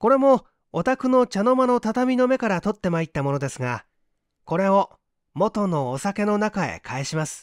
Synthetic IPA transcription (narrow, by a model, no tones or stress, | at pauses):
ko̞ɾe̞mo̞ː | t̪akɯ̟no̞t͡ɕano̞mano̞t̪at̪amʲino̞me̞kaɾat̪o̞t̪ːe̞mait̪ːamo̞no̞d̪e̞sɨɡa | ko̞ɾe̞o̞ | mo̞t̪o̞no̞ːsake̞no̞nakae̞̰kʰae̞ɕimasɨ̥